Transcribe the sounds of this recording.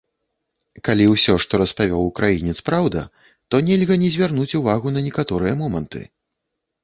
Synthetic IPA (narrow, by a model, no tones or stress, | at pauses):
kalʲiwsʲɔʂt̪ɔɾɐspavʲɔwukɾajinʲɛt̪spɾawd̪ɐ̰ | t̪ɔnʲɛlʲɣɐnʲɛzʲvʲarnut͡sʲuvaɣunɐnʲɛkat̪ɔɾɨjɛmɔmɐnt̪ɨ̰